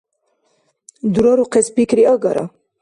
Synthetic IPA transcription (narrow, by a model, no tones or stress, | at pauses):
d̪uɾɔɾuqespikɾiəɡaɾa̰